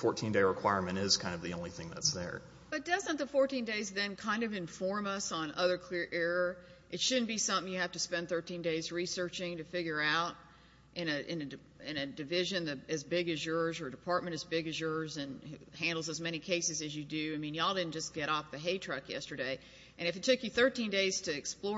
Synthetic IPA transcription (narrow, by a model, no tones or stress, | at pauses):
fɔɹtʰĩndeɪɹɨkʰw̥aɪɹmɨ̃ñɪz̥kʰãɪ̃ndʌvðiõʊ̃nliθɪ̃ŋðɨ̰tsðə̰˞ | b̥ʌt̚d̥ʌzɨ̃nðəfɔɹtʰĩndeɪzðɨ̃nkʰãɪ̃ndʌvɨ̃ɱfɔɹmʌsn̩ʌðə˞kʰl̥ɪɹʔɛɹəʔɨtʃʊdⁿn̩b̥isʌ̃mθɪ̃ŋjɨhæftɨspɛ̃nθɜ˞tʰĩndeɪzɹisɜ˞t͡ʃɪ̃ŋtɨfɪɡjə˞aʊɾ | ʔɨ̃nɨʔɪ̃nɨd | ɪ̃nɨdɨvɪʒɨ̃nðɨɨzbɪɡɨzjəɹzə˞ɨdɨpʰɑɹt̚mɨ̃ɾ̃ɨzbɪɡɨzjəɹzɨ̃nhæ̃ndˡl̩ˠzəzmɛñikʰeɪsɨzɨzjɨdʉaɪmĩnjaɪlˠdɪdⁿn̩d͡ʒʌsɡ̥ɛɾɔfðɨɦeɪtʰɹ̥ʌkjɛ̰stə˞ɾeɪ | ʔɨ̃ɾ̃ɨfɨtʰʊkjɨθɜ˞tʰĩndeɪz̥tʰɨːksplɔ